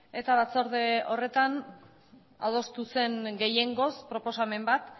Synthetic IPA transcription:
e̞t̪aβat͡so̞ɾðeo̞re̞t̪an | a̰ðo̞st̪use̞ŋɡe̞je̞ŋɡo̞spɾo̞po̞same̞mbat̪

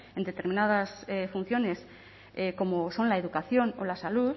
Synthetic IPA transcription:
e̞nd̪e̞t̪e̞ɾminað̞asefun̟θjo̞ne̞s | eko̞mo̞so̞nlaeðukaθjo̞no̞lasaluð

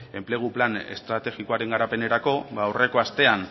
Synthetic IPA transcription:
e̞mple̞ɣ̞uplane̞̰st̪ɾat̪e̞ɣikoaɾe̞ŋɡaɾape̞ne̞ɾako̞bawre̞ko̞ast̪e̞an

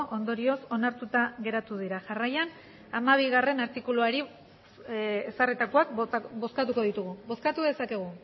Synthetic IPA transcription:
ʔo̞nd̪o̞ɾio̞so̞naɾt̪ut̪aɣe̞ɾat̪uðiɾaʝarajan | amaβ̞iɣ̞are̞naɾt̪ikuluaɾi | esarit̪akoakbo̞skat̪uko̞ðit̪uɣ̞uβo̞skat̪uðe̞sake̞ɣ̞u

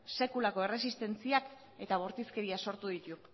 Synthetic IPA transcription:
se̞kulako̞e̞re̞sist̪e̞nt͡siak | e̞t̪aβ̞oɾt̪iske̞ɾiaso̞ɾt̪uðit̪u

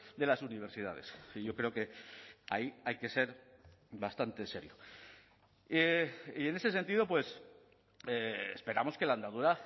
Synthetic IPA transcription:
d̪e̞lasuniβ̞e̞ɾsið̞að̞e̞siʝo̞kɾe̞oke̞a̰iajke̞se̞ɾ | βast̪ant̪e̞se̞ɾjo | eiene̞se̞s̬e̞nt̪ið̞o̞pwe̞s | eḛspe̞ɾamo̞ske̞land̪að̞uɾa

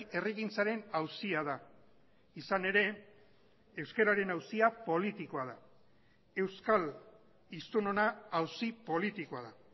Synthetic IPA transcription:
eriɣint͡saɾe̞nawsiaða | isane̞ɾe̞ | ewske̞ɾaɾe̞nawsiapo̞lit̪iko̞aða | e̞wskal | ist̪uno̞naːwsipo̞lit̪ikoaða

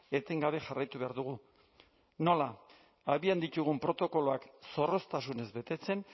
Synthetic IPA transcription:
e̞t̪e̞ŋɡaβe̞ʝarajt̪uβe̞aɾðuɣu | no̞laː | βiand̪it̪uɣ̞umpɾo̞t̪o̞ko̞lo̞akso̞ro̞st̪asune̞zβe̞t̪e̞t͡se̞n

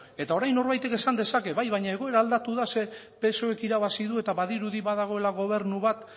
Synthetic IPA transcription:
e̞t̪ao̞ɾajnːo̞ɾβajt̪e̞ke̞sand̪e̞sake̞βajβajɲae̞ɣo̞e̞ɾaːld̪at̪uðase̞ | pe̞soe̞kiɾaβasiðue̞t̪aβaðiɾuðiβaðaɣ̞o̞e̞laɣo̞β̞e̞ɾnuβat̪

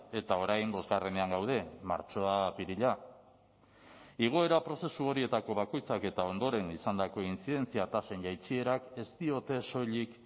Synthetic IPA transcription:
e̞t̪ao̞ɾajmbo̞zɣare̞ne̞aŋɡawð̞e̞ma̰ɾt͡ʃo̞apiɾiʎa | iɣ̞o̞e̞ɾapɾo̞se̞suo̞ɾie̞t̪ako̞β̞ako̞jt͡sake̞t̪ao̞nd̪o̞ɾe̞nisand̪ako̞int͡siðe̞nt͡siat̪ase̞nʝajt͡sie̞ɾake̞st̪io̞t̪e̞so̞ʎik

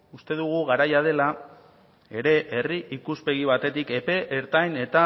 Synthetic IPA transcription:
ust̪e̞ð̞uɣ̞uɣaɾajað̞e̞la | e̞ɾe̞ʔeriʔikuspe̞ɣ̞iβ̞at̪e̞t̪ike̞pe̞ʔeɾt̪ajne̞t̪a

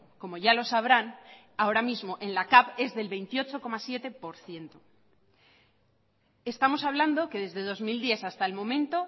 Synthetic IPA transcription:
ko̞mo̞ʝalo̞saβ̞ɾan | ao̞ɾamizmo̞ʔe̞nlakaβe̞zðe̞lβe̞jnt̪io̞t͡ʃo̞ko̞masje̞t̪e̞po̞ɾθje̞nt̪o | e̞st̪amo̞saβ̞land̪o̞ke̞ðe̞zðe̞ð̞o̞zmild̪je̞θast̪aelmõ̞mẽnt̪o

